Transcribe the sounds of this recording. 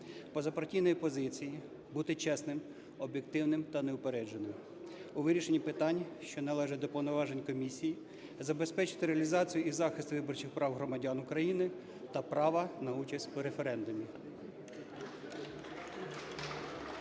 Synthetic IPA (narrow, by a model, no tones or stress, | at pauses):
pɔzɐpɐɾtʲijnɔjipɔzɪt͡sʲiji | but̪ɪt͡ʃɛsnɪm | ɔbʲjek̚t̪ɪwnɪmt̪ɐneʊpeɾɛd͡ʒenɪm | uʋɪɾʲiʃenʲːipɪt̪ɑnʲʃt͡ʃɔnɐlˠɛʒɛd̪ɔpɔwnɔʋɑʒenʲkɔmʲisʲiji | zɐbespɛt͡ʃɪ̥t̪ɪɾeɐlʲizɑt͡sʲijʊizɑxɪst̪ʋɪbɔrt͡ʃɪxpɾɑwɦɾɔmɐdʲɑnʊkɾɐjinɪ | t̪ɐpɾɑʋɐnɐut͡ʃɐsʲtʲuɾefeɾɛnd̪ʊmʲi